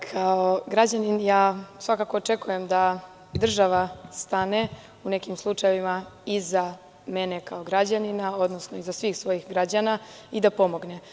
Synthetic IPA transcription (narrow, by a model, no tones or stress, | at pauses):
kʰao̞ɡɾad͡ʑaninjaːsʋakaːko̞ːt͡ʃe̞kuje̞md̪a | d̪r̩ʒaʋast̪ane̞ | une̞kimslˠut͡ʂajeʋimaiza | me̞nekao̞ɡɾad͡ʑaninao̞d̪no̞snoizasʋiːxsʋo̞jixɡɾad͡ʑanaid̪apo̞mo̞ɡne̞